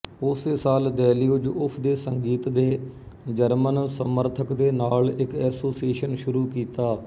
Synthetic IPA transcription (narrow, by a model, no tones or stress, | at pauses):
ʊseːsaːld̪ɛːliːʊd͡ʒʊpʰd̪eːsəŋɡiːt̪d̪eː | d͡ʒəɾmənsəməɾt̪ʰəkd̪eːnaːlɪkɛːsoːsieːʃənʃʊɾuːkiːt̪aː